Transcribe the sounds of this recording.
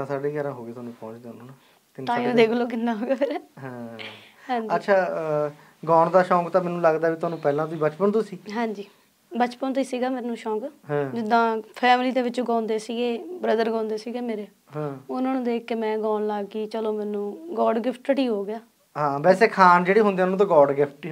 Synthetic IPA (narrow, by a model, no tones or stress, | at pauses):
t̪ãːsaːɖeːɡɛːɾãːɦoːɡeːt̪oaːnũːpɔ̃ːt͡ʃd̪eːʊnõːna | t̪ɪnt̪ãːiõːd̪eːkʰloːkɪnːaːɦoːɡaːpʰeɾɦɛ̃ː | ɦɛ̃ːd͡ʒətːʃʰaː | ɡaːɳd̪aːʃɔ̃ːkt̪ãːmɛːnũːləɡd̪aːʋiːt̪ʊaːnũːpɛːlãːt̪ʊiːbət͡ʃpəɳt̪ʊsiːɦɛ̃ːɲd͡ʒiː | bət͡ʃpənt̪ʊiːsiːɡaːmeːnũːʃɔːkɦɛ̃d͡ʒɪd̪ãːpʰɛːmliːd̪eːʋɪt͡ʃɡãːnd̪eːsiːɡeːbɾəd̪əɾɡãːnd̪eːsiːɡeːmeːɾeː | ɦãːʊnãːnũːd̪eːemɛ̃ːɡaːnlaːɡiːt͡ʃəloːmɛ̃ːnũːɡɔːɖɡɪpʰʈəʈiːɦoːɡɪjaː | ɦãːʋɛːseːkʰaːnd͡ʒeːɽiːɦʊ̃nd̪ieanũt̪ãːɡɔːɖɡɪpʰʈʈi